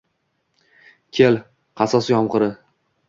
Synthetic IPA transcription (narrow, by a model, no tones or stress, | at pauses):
kʲʰel | qʰɑsɒsjɒmqɨɾɪ